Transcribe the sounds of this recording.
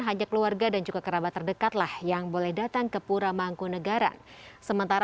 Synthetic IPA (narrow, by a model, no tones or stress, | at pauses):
ɦaɲakəluarɡadand͡ʒuɡakəɾabat̪ːərdəkat̪lahjaŋbolɛhdat̪aŋkəpuɾamaŋkunəɡaɾa̰səmənt̪aɾ